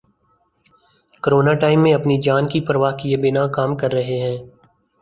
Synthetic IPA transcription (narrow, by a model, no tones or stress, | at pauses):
kəɾoːnaʈaːɪmːẽɐpnid͡ʒaːnkipɾəʋaːɦkijebɪnakaːmkɐɾːɐɦeɦɛ̃ː